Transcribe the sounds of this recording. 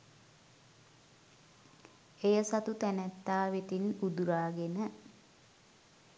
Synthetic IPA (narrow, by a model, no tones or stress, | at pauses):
ejəsat̪ut̪ænæt̪ːaːʋet̪inud̪uɾaːɡenə